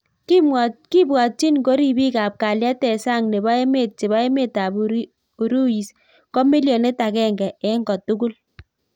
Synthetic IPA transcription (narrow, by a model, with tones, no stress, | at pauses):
ki˦mɔ˨ki˦bwa˨t͡ʃi˦nko˦ɾi˦˨bi˦ka˨p̚ka˨lja˦tɛ˨sa˦˨ŋne˨ba˦e˦me˦˨t͡ʃi˨ba˦e˦me˦ta˨bu˨ɾ | u˨ɾu˦ji˨s | kɔ˦mi˦ljo˨ne˦ta˨kɛ˦˨ŋɡɛ˨ɛ˦ŋɡɔ˨tu˦ku˦l